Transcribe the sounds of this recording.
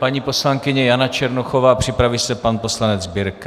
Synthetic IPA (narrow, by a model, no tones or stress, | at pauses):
paɲiːposlaŋkɪɲɛjanat͡ʃɛɾnoxovapr̝̥ɪpɾavisɛpanpo̞slanɛd͡zbɪɾk